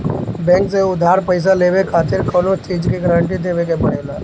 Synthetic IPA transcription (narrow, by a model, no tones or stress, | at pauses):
bẽːŋkseʊd̪ʱaːɾpəɪs̬aleːʋekʰaːt̪ɪɾkəːnot͡ʃiːd͡ʒkeɡəɾə̃ɳʈit̪ʰeʋekepəɽ̤̃eːlaː